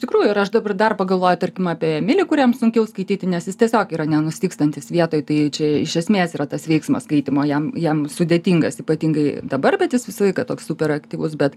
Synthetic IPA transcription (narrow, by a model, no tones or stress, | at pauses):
ɪʃtʲɪkɾuːjʊɪɾɐʃd̪ɐbɐrd̪ɐrpɐɡɐlˠʋoːjʊt̪ɐɾʲkʲɪmɑːpʲiɛɛmʲɪlʲɪkʊɾʲɛmsʊŋʲkʲɛʊskɐɪt̪ʲiːt̪ʲɪnʲɛsjɪst̪ʲiɛsʲoːkiːɾɐnʲɛnʊsʲɪt̪ʲiːkst̪ɐnʲt̪ʲɪsʋʲiɛt̪oːjt̪ɐɪt͡ʃʲɛɪʃʲɛsʲmʲeːsiːɾɐt̪ɐsʋʲɛɪksmɐskɐɪt̪ʲɪmoːjɛmjɛmsʊdʲeːt̪ʲiːŋɡɐsiːpɐt̪ʲiŋɡɐɪd̪ɐbɐrbʲɛt̪jɪsʋʲɪsɐlˠɐɪkɐt̪oːkssuːpʲɛɾɐkt̪ʲiːʋʊsbʲɛt̪